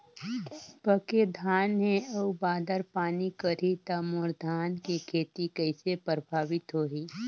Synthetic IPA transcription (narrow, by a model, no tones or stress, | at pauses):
pəked̪ʱaːnɦẽɐubaːd̪əɾpaːnikəɾit̪amʊɾd̪ʱaːnkekʰeːt̪ikəɪsepɾəbʱaːʋɪt̪ɦoːɦiː